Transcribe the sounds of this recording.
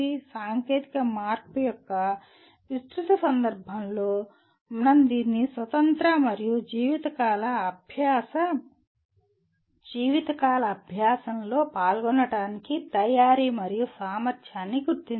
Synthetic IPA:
isaːŋke̞ːt̪ikɐmaːɾpujɔkːɐ | ʋist̪ɾut̪ɐsɐnd̪ɐɾbʱɐmlo̞ː | mnɐnd̪inːisʋɐt̪ɐnt̪ɾɐmɐɾijud͡ʒiːʋit̪ɐkaːlɐːbʱjaːsɐ | d͡ʒiːʋit̪ɐkaːlɐːbʱjaːsɐnlo̞ːpaːlɡɔnːɐɽaːnikit̪ɐjaːɾiːmɐɾijusaːmɐɾt̪ʰjaːnːiɡuɾt̪in

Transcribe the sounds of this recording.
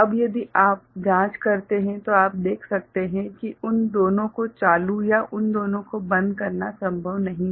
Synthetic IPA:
ɐbjɐd̪iʔaːp̚d͡ʒãːt͡ʃkɐɾt̪eɦɛ̃t̪oaːp̚d̪eːkʰsɐk̚t̪eɦɛ̃kiʊnd̪oːnõkot͡ʃaːlujaʔʊnd̪oːnõkobɐ̃nd̪kɐɾnasɐ̃mbʱəʋnɐɦĩ

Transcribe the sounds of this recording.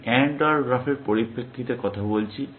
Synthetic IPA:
ɛɳɖaɾɾafʰeɾpoɾibekʰːit̪ekɔt̪ʰabolt͡ɕʰi

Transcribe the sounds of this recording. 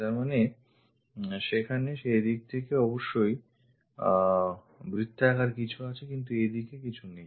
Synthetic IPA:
t̪aɾmane | ʃekʰaneʃejd̪ik̚t̪ʰekeɔboʃːoj | bɾit̪ʰːɛkaɾkit͡ɕʰuat͡ɕʰekint̪̬ued̪ikekit͡ɕʰunej

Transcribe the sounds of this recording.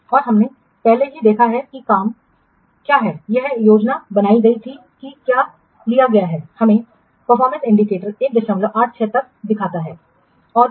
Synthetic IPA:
ɔːɾɦɐmne | pɛɦlejed̪eːkʰaɦɛkikaːm | kjaːɦɛjɐɦjoːd͡ʒnabɐnaːiɡɐit̪ʰi | kikjaː | lijaɡɐjaɦɛːhɐmẽ | pɐɾfɔːɾmə̃nsɪ̃ɳɖikeːʈəɾeːk̚d̪ɐʃə̃mloʔaːd͡ʒt͡ʃʰɛːt̪ɐk̚d̪ɪkʰaːt̪aɦɛː | ɔːɾ

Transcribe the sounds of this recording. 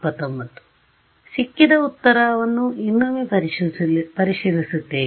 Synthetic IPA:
pɐt̪ɐmːɐt̪ːu̥ | sikːid̪ɐut̪ːɐɾaːʋɐnːuinːume | pɐɾiʂilisut̪ːeː

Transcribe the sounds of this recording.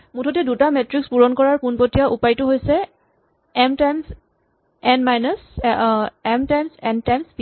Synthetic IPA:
mutʰɔtɛdutamɛtɹikspuɹɔnkɔɹaɹpunpotijaʔupajtʊɦojsɛ | ɛmtajms | ɛnmajnɔs | ɛmtajmsɛntajmsp

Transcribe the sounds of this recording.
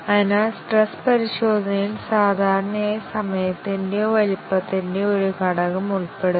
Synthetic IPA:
ɐinasʈrespɐɾiɕo̞ːd̪ʱɐnɐilsaːd̪ʱaːɾɐɳɐɐsɐmɐjɐt̪ːindeʋɐlipːɐt̪ːinde̞oɾukɐɽɐɣɐmuɭpe̞ɽu

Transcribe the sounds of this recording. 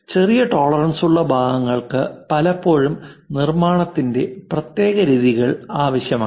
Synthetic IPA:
t͡ɕe̞rijɐʈo̞ːɭɐrɐɳsuɭːɐbʱaːɣɐŋːɐɭkɨpɐlɐpːo̞ːɻumnirmaːɳɐt̪ːinde̞prɐt̪je̞ːɣɐɾiːðiɣɐɭaːʋɐɕjɐmaː

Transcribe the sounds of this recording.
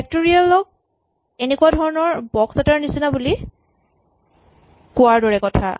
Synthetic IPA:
ɛk̚toɹialɔk̚ | enekuadʱɔɹɔnɔɹbɔksataɹnisinabuli | kʊaɹdɔɹɛkɔtʰa̰

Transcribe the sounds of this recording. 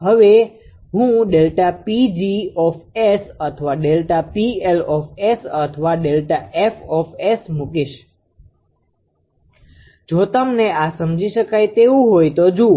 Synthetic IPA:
ɦəʋe | ɦũɖelʈapid͡ʒiɔfesət̪ʰəʋaɖelʈapielɔfesət̪ʰəʋaɖelʈaʔefɔfesmũkiʃ | d͡ʒot̪əmneasəmd͡ʒiʃəkajt̪eũɦojt̪od͡ʒũ

